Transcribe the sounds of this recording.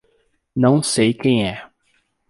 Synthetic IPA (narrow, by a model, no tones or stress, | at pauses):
nɐ̃w̃sejkẽj̃ɛ